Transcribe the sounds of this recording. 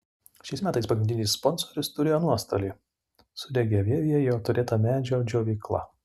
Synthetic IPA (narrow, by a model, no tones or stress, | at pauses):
ʃʲɛɪsmʲæːt̪ɐɪspɐɡɾʲɪnd̪ʲɪnʲɪsspɔnsoɾʲɪst̪ʊɾʲeːjoːnuɔst̪o̰ːlʲiː | sʊd̪ʲɛɡʲɛʋʲeːʋʲɪjɛjjɛʊt̪ʊɾʲeːt̪ɐmʲæːd͡ʒʲoːd͡ʒʲoːʋʲɛɪklˠɐ̰